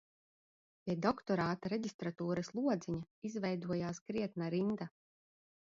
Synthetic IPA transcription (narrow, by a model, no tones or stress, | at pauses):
pʲiɛd̪ɔkt̪ɔɾaːt̪aɾeɟist̪ɾat̪uːɾɐslˠuɔd̪ziɲaizvɛjd̪uɔjaːskɾiɛt̪̚naɾind̪a